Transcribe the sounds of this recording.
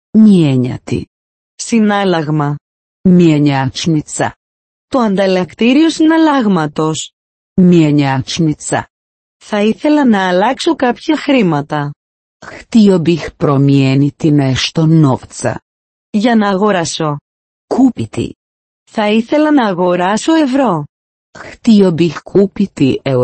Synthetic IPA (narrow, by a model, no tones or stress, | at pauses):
mieɲɐ̰t̪ḭ | sinɐlɐɣmɐ | mieɲat͡ʃnit͡sɐ̰ | t̪o̞ɐnd̪ɐlɐkt̪iɾiosinɐlɐɣmɐt̪o̞s | mieɲat͡ʃnit͡sɐ̰ | θɐiθe̞lɐnɐːlɐkso̞kɐpçɐxɾimɐt̪ɐ | xt̪iobixpɾomienit̪inest̪onoft͡sɐ̰ | ʝɐnɐːɣoɾɐso̞ | kupit̪ḭ | θɐiθe̞lɐnɐːɣo̞ɾɐso̞e̞vɾo̞ | xt̪iobixkʰupit̪ie